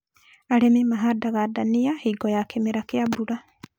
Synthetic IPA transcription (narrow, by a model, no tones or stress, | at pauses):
aɾememaɦadaɣadaniahiːɡɔjakemeɾakeabuɾa